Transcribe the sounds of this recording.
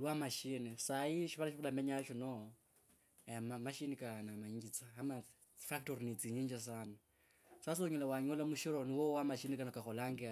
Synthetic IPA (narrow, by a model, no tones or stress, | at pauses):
lwamaʃinisaiʃiβalaʃiβalameɲaʃino | mamaʃinikanamaɲiɡit͡saːma | fak̚toɾinit͡siɲiːɲd͡ʒas̬ana | sas̬oɲulawaɲolamuʃiɾoniwowamaʃinikanakaxolaŋɡe